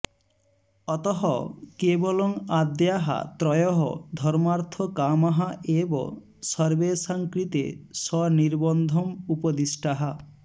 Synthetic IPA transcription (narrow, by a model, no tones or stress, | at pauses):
ɔt̪ɔɦɔkebɔlɔŋad̪jaɦa̰t̪ɾɔjɔɦɔ̰d̪ʱɔɾmaɾt̪ʰɔkamaɦaʔebɔ̰ | sɔɾbesaŋkɾit̪ḛʃɔniɾbɔnd̪ʱɔmupod̪isʈaɦa